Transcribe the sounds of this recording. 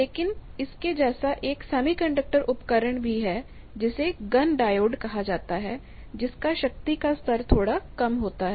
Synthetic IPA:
leːkɪnɪsked͡ʒɛːsaʔeːksɛːmikɐ̃ɳɖək̚ʈəɾʔʊpkəɾəɳ̃bʱiɦɛ | d͡ʒɪseɡɐnɖaːjoːɖkɐɦad͡ʒaːt̪aɦɛː | d͡ʒɪskaʃɐk̚t̪ikast̪ʰəɾt̪ʰoːɽakɐmɦoːt̪aɦɛ

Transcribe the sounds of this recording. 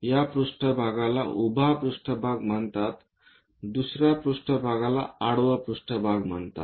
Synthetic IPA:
japɾuʂʈəbʱaɡala̰ʔubʱapɾuʂʈəbʱaɡm̤əɳt̪at̪ | d̪usɾjapɾuʂʈəbʱaɡala̰aɽʋəpɾuʂʈəbʱaɡm̤əɳt̪a̰t̪

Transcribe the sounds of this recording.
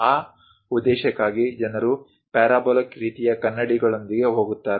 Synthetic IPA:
aː | ud̪ːɛːʃɐkːaːɡid͡ʒɐnɐɾu | pɛːɾaːbɔːlɐkɾiːt̪ijɐkɐnːɐɽiɡɐɭond̪iɡe̞ɦo̞ːɡut̪ːaːɾe

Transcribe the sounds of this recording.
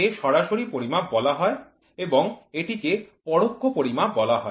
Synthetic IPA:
eʃɔɾaʃoɾipoɾimabɔlaɦɔe | eboŋeʈikepɔɽokʰːopoɾimabɔlaɦɔ̰e

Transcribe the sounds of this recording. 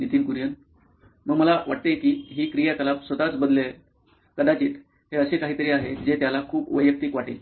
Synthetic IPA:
nit̪iːnkuɾjən | məɡməlaʋaʈ̚t̪ekiːɦiːkɾijakəlapsʋət̪at͡sbəd̪le | kəd̪at͡ɕiːt̪ | ɦeəɕekaɦiːt̪əɾiːaɦed͡zet̪jalakʰuːpʋəjək̚t̪iːkʋaʈi

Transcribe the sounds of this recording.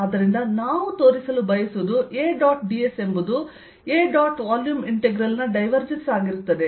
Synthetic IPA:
ɐd̪ɐɾind̪ɐnaːʋut̪o̞ːɾisɐlubɐjɐsuʋd̪uʔeːɖaːʈɖiese̞mbud̪u | eːɖaːʈʋaːljuːmiɳʈeɡɾɐlnɐɖɐjʋɐɾd͡ʒensaːɡiɾut̪ːɐd̪e

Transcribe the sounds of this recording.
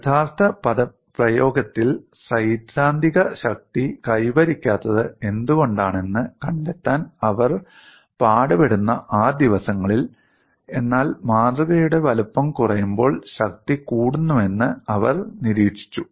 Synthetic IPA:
t̪ʰaːst̪ɐpɐðɐ | prɐjo̞ːɡɐt̪ːil | sɐjt̪ɾaːnd̪ʱiɣɐɕɐk̚t̪ikɐjʋɐɾikʲːaːt̪ːɐðɨe̞nd̪uɣo̞ɳɖaːɳe̞nːɨkɐɳɖet̪ːaːnɐʋɐr | paːɽɐpe̞ɽunːɐʔaːd̪iʋɐsɐŋːɐɭil | e̞nːaːlmaːd̪rɐɣɐjuɽe̞ʋɐlupːɐmkurɐjumbo̞ːɭɕɐk̚t̪ikuːɽunːume̞nːɨɐʋɐrniɾiːʂi̥t͡ɕːu

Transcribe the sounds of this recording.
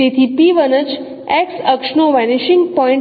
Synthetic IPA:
et̪ʰipiʋənət͡ʃ | eksəkʂnoʋɛnɪʃɪŋɡpɔɪ̃ɳ

